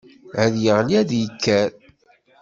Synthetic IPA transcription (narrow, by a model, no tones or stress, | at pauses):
æðjəʁliæðjəkʰːæɾ